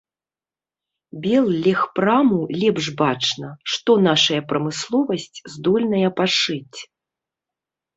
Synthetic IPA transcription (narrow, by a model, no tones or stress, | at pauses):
bʲɛlˠlʲɛxpɾamulʲɛpʐbat͡ʂnɐʂt̪ɔn̪aʂɐjɐpɾɐmɨslˠɔvɐsʲt͡sʲzd̪ɔlʲnɐjɐpaʂɨt͡sʲ